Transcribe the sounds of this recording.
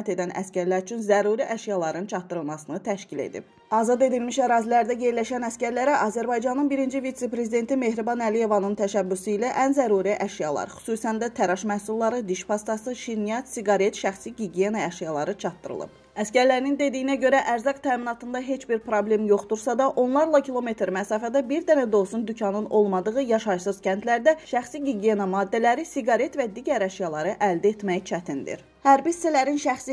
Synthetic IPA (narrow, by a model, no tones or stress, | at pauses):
æt̪e̞d̪ænæ̰scæɾlæɾyt͡ʃʰynzæɾuɾiʔæʃijɑlˠɑɾɯnt͡ʃʰɑt̪ːɯɾɯlˠmɑsɯnɯt̪ʰæʃcile̞̰d̪ḭb̚ | ɑːzɑd̪e̞d̪ilmiʃæɾɑːzilæɾd̪æje̞ɾlæʃænæscæɾlæɾæʔɑzæɾbɑjd͡ʒɑnɯnbiɾind͡ʒivit̪se̞pɾe̞zid̪e̞nt̪ʰime̞hɾibɑnælije̞vɑnɯnt̪ʰæʃæbːysuilæʔænzæɾuɾiʔæʃijɑlˠɑ̰ɾxy̥susænd̪æt̪ʰæɾɑʃmæhsulˠːɑɾɯd̪iʃpʰɑst̪ɑsɯʃinijɑt̪siɡɑɾe̞t̪ʃæχsiɡiɡijenɑæʃijɑlˠɑɾɯt͡ʃʰɑt̪ːɯɾɯ̰lˠɯ̰b | æscæɾlæɾinind̪e̞d̪ijinæɟø̞ɾæʔæɾzɑqt̪ʰæːminɑt̪ʰɯnd̪ɑɦe̞t͡ʃbiɾpɾoble̞mjo̞χd̪uɾsɑd̪ɑʔo̞nlˠɑɾlˠɑcʰilˠo̞me̞t̪ɾmæsɑːfæd̪æbiɾd̪ænæd̪o̞lˠsund̪ycʰɑnɯno̞lˠmɑd̪ɯɣɯjɑʃɑʃsɯz̥cænt̪læɾd̪æʃæxsiɡiɡije̞nɑmɑːd̪ːælæɾisiɡɑɾe̞t̪væd̪iɟæɾæʃjɑlˠɑɾɯʔæld̪et̪mæjit͡ʃʰæt̪ʰind̪ḭɾ | hæɾbissælæɾinʃæxsi